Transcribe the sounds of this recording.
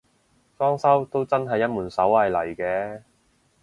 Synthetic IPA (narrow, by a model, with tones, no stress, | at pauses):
fɔː˥ŋsɐ˥wt̪o˥wt͡sɐ˥nɦɐ˨jːɐ˥t̚muː˨˩nsɐ˨˥whɐ˨jlɐ˨˩jkɛː˨˧